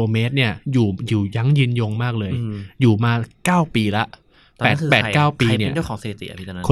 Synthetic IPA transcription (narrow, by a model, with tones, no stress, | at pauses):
oː˧me˦˥t̪̚ni˥˩ɐjuː˨˩juː˨˩ja˦˥˩ŋjɯ˧njoː˧ŋmaː˥˩k̚lɤː˧jjuː˨˩maː˧kaː˥˩wpiː˧la˦˥ʔ | ɛː˨˦˥tkʰːpɛ˧˨kaː˥˩wpi˧ni˥˧ɐt͡ɕt͡ɕːəkʰɔː˩˦ŋse˧tʰi˨˩t̪ḭ˨˩ʔa̰˧pi˦˥a˧˦kʰ